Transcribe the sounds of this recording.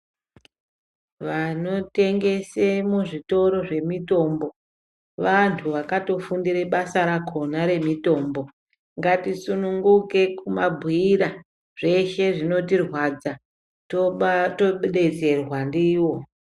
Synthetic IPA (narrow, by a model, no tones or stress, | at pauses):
ʋano̞te̞ŋɡe̞semuʐito̞ɾo̞ʐe̞mito̞mbo̞ | ʋantʰuʋakato̞fundiɾeɓasaɾakʰo̞naɾe̞mito̞ːmbo̞ | ŋɡatisunuŋɡuke̞kumabʱwiːɾa | ʐ̥e̞ʃe̞ʐino̞tirwad͡za | totoɓeɗe̞d͡ze̞rwandiːwo̞